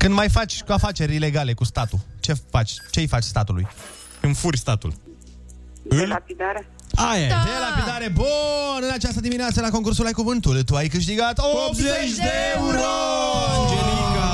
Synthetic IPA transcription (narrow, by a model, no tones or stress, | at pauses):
kɨnd̪majfat͡ʃʲkuafat͡ʃe̞ɾʲile̞ɡale̞kust̪at̪ut͡ʃe̞fat͡ʃʲt͡ʃejfat͡ʃʲst̪at̪ulṵj | ɨnfurʲst̪at̪ṵl | ɨlapid̪aɾea | ajad̪elapid̪aɾe̞bonɨnat͡ʃast̪əd̪imineat̪səlako̞ŋkursulajkuvɨnt̪ult̪uajkɨʃ̬t̪iɡat̪opzet͡ʃd̪eeeuɾod͡ʒeɾikə